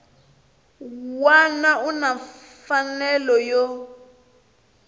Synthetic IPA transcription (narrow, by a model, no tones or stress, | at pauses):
wanauna | fanɛlɔjɔ